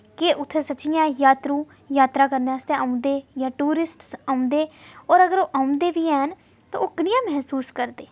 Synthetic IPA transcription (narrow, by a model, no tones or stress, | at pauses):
keʔʊt̪ʰːeːsəːʃɪjãːjaːt̪ɾũː | jaːt̪ɾaːkəɾneaːst̪ẽːãːũnd̪eːjãːʈuːɾɪsʈsaːũnd̪eːɔːɾəɡəɾoːʔaːũnd̪eːbiːɛːɦən | t̪ã̰ːoːkənɪjãːmɛɦsuːskəɾd̪eː